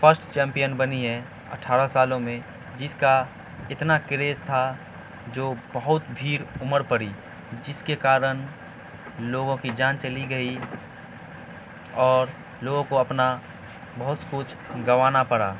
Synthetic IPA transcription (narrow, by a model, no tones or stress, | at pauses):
pʰəɾsʈt͡ʃɛ̃ːmpijənbəniɦɛ | ə̰ʈʰaːɾasaːlõmẽ | d͡ʒɪska | ɪt̪nakɪɾeːst̪ʰa | d͡ʒoːbəɦʊt̪bʱiːɾʊməɾpəɽi | d͡ʒɪskekaːɾən | loːɡõkid͡ʒãːnt͡ʃəliɡəi | ɔːɾ | loːɡõkoɐpna | bɐɦʊt̪kʊt͡ʃʰɡəʋaːnapəɽa̰ː